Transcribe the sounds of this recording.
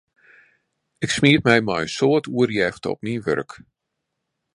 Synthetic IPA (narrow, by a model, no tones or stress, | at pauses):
ɪksmiətmɛjmɔjənsoətuərjɛxtɔ̰p̚minʋø̰rk